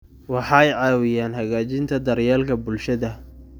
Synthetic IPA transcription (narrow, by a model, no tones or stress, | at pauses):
wɑħɑjʕɑːwɪjaːnɦɐɣaːt͡ʃɪnt̪ʰɐd̪ɐrjaːlkʰɐbʊlʃɐðɐ